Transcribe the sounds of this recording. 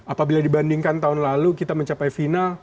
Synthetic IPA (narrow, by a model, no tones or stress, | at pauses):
apabiladibandiŋkant̪aɦʊnlalukit̪aməɲt͡ʃapajfinal